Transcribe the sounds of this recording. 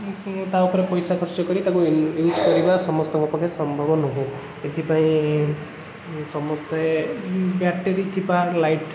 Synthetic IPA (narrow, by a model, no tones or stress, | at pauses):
t̪awpʰɔɾepɔjsakʰɔɾsɔkɔɾit̪akujuzkɔɾibasɔmɔst̪ɔŋɡɔpɔkʰesɔmbʱɔbɔnɔɦe | et̪ʰipaĩ | sɔmɔst̪ɔ | baʈeɾit̪ʰibalajʈ